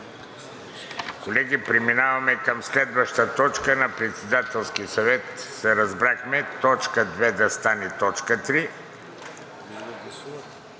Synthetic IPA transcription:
kolɛɡipɾɛminavɐmɛkəmslɛd̪vəʃt̪ət̪ɔt͡ʃkənɐpɾɛt̪sɛd̪at̪ɛlˠskisɐvɛt̪sɛɾɐzbɾaxmɛt̪ɔt͡ʃkəd̪vɛd̪ɐst̪anɛt̪ɔt͡ʃkət̪ɾi

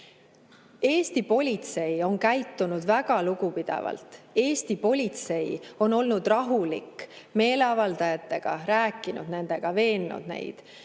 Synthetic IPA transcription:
e̞ːst̪ipo̞lʲit̪se̞jo̞nkæjt̪ːunud̪væɡ̥ɑluɡ̥upid̪̥ḛvɑ̰lt̪e̞ːst̪ipo̞lʲit̪se̞jo̞no̞lnud̪̥rɑɦulḭkːme̞ːleɑvɑld̪̥ɑjɑt̪ːˑe̞ɡ̥ɑ̰ɾæːkˑːinṵd̪ne̞nd̪̥e̞ɡ̥ɑve̞ːnːṵd̪̥ne̞̰jd̪̥

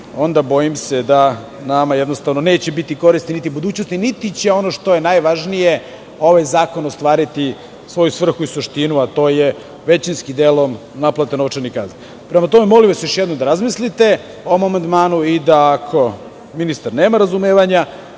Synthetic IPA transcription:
o̞nd̪abo̞jimsed̪a | namajed̪nost̪aʋnone̞ːt͡ɕebit̪iko̞ɾisninit̪ibud̪uːt͡ɕno̞st̪init̪it͡ɕeo̞noʃt̪o̞je̞najʋaʒnije | o̞ʋajzaːko̞nost̪ʋaːɾit̪i | sʋo̞jusʋr̩xuisuʃt̪inuat̪o̞ːje | ʋe̞t͡ɕinskid̪elo̞m | naplˠat̪enoʋt͡ʃaɾnikazi | pɾe̞mat̪o̞memo̞limʋasejoʃjed̪nomd̪aɾazmislit̪e̞ | oomomand̪maːnuid̪aːkʰo̞ | minist̪aɾne̞ːmaɾazumeːʋaɲa

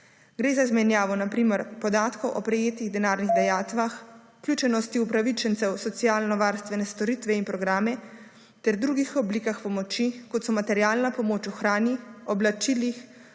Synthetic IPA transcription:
ɡɾeːzaizmɛnjaːʋɔnapɾiːmɛɾpɔd̪aːt̪kɔwʔɔ̰pɾɛjeːt̪iɣd̪ɛnaːɾniɣd̪ɛjaːt̪ʋaxuklʲjuːt͡ʃɛnɔst̪iupɾaʋit͡ʃɛnt̪sɛwsɔt̪sijaːlnɔʋaːɾst̪ʋɛnɛst̪ɔɾiːt̪ʋɛinpɾɔɡɾaːmɛ | t̪ɛɾd̪ɾuɡixɔblikaxpɔmɔt͡ʃikɔt̪sɔmat̪ɛɾjaːlnapɔmoːt͡ʃuxɾaːnjiɔblat͡ʃiːlix

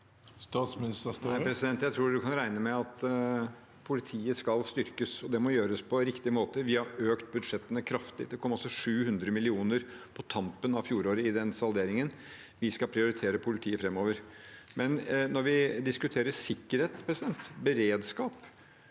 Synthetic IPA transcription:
st̪ɑt̪smɪnɪst̪əsæɪpʰɾɛsɪd̪ɛnt̪jæɪt̪ʰɾuːd̪ʉkʰɑnɾæɪnəmɛɑt̪ | pʰʊlɪt̪ʰiːəskɑlst̪ʏɾkəsɔd̪ɛmɔjøːɾəspʰɔɾɪkt̪ɪmoːt̪əʋɪhɑɾøːkt̪̚bʉd̪ʂɛt̪ːənəkʰɾɑft̪ɪ̰d̪ɛkʰɔmːɔlsɔʂʉːhʉnd̪ɾəmɪlɪuːnəɾpʰɔt̪ʰɑmpənɑʋfjuːɾoːɾəɪd̪ɛnsɑld̪eːɾɪŋən | ʋɪskɑlpʰɾɪʊɾɪt̪ʰeːɾəpʰʊlɪt̪ʰiːəfɾɛmːoːʋəɾmɛnnɔɾʋɪd̪ɪskʉt̪ʰeːɾəsɪkːəɾheːt̪pʰɾɛsɪd̪ɛnt̪bəɾeːd̪skɑːp

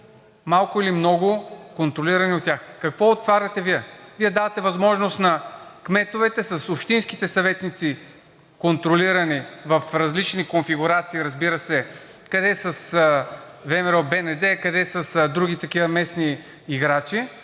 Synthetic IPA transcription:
malˠkʊilimnɔɡʊkont̪ɾoliɾɐniot̪ːʲjaxkɐkvɔot̪vaɾʲvɐt̪ɛviɛviɛd̪avɐt̪ɛvɐzmɔʒnost̪nɐkmɛt̪ʊvɛt̪ɛsɐsopʃt̪inskit̪ɛsɐvɛt̪nit̪si | kont̪ɾoliɾɐnivɐfɾɐzlit͡ʃnikonfiɡʊɾat̪siːɾɐzbiɾəsɛ | kɐd̪ɛsɐs | vɛmɛɾɔbɛnɛd̪ɛkɐd̪ɛsɐsd̪ɾuɡit̪ɐkivɐmɛsniː | ɡɾat͡ʃi

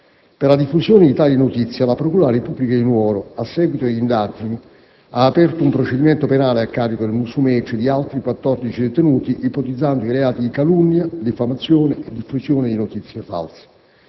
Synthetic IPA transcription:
perlad̪ifːusjoːned̪it̪aːlinot̪it̪sːjalapɾokuːɾaɾepubːlikad̪inwɔːɾoasːɛːɡwit̪od̪ind̪ad͡ʒini | aːpɛrt̪oumpɾot͡ʃed̪imɛnt̪openaːleakːaːɾikod̪elmusumɛt͡ʃːed̪ialt̪ɾikwat̪ːɔrd̪it͡ʃid̪et̪enuːt̪iʔipot̪id̪zːand̪oileaːt̪id̪ikalunːjad̪ifamat̪sːjoːneed̪ːifːusjoːned̪inot̪it̪sːjefa̰lse̥

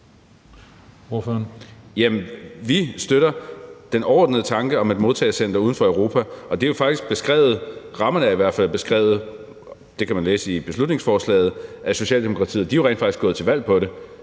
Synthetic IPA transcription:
o̝føɐnjæmnʋisd̥øɾɐd̥enɒʊɒ̰ːdnəð̩ˠət͡sʰɑ̈ŋɡ̥əɒ̽me̝d̥mo̝ðˠt͡sʰɛ̰ːsen̰d̥ɐuːð̞ˠn̩fɒ̽œʊʁo̝ːpʰæʔɒ̽d̥e̝jo̝fɑ̈ɡ̥d̥isɡ̥̚b̥e̝sɡ̥ʁɛ̰ːʊð̞̩ˠʁɑ̈mɐnəæiʋæɐ̰̥fælb̥e̝sɡ̥ʁɛ̰ːʊð̞̩ˠ | d̥e̝kʰæmænleːsəib̥e̝slud̥ne̝ŋsfɒːslɛ̰ːð̩ˠʔæso̝ɕɛ̰ːld̥e̝mo̝kʰʁɑ̈t͡sʰḭːð̩ˠd̥ioʁḛndfɑ̈ɡ̥isɡ̥ɔ̽ð̩ˠt͡sʰe̝lʋæl̰pʰɒ̽ɾe̝

